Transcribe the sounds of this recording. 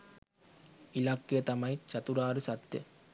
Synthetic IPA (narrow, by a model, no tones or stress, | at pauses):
ilaːkːijɐt̪ɐmɐjt͡ʃɐt̪uɾaːɾɯsɐt̪ːɐ̰